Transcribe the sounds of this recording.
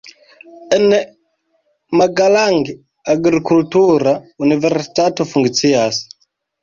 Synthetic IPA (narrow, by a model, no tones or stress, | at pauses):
ɛnɛ | maɡalaŋɡi | aɡɾikultuɾaunivɛrsi̥tatufuŋɡit͡siasi̥